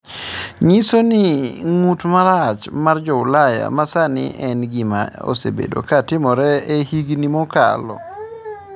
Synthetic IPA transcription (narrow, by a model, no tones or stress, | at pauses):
ɲisonɪŋutmaɾat͡ʃmard͡ʒɔʊlaja̰masanɪ̰ʔɛnɡɪma̰o̰sḛbḛdo̰katɪmɔɾɛehiɡnimɔka̰lɔ̰